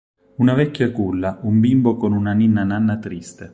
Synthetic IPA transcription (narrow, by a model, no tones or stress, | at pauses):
unavɛkʲːjakulːaumbimbokonunaninːananːat̪ɾist̪e